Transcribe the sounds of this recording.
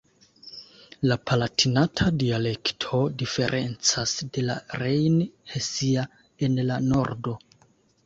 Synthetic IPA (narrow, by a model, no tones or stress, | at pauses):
lapalatʰinatʰadiale̞ktʰo̞dife̞ɾʔe̞̰nt͡sasde̞la̰ɾejnhesia | e̞nlano̞ɾdo̞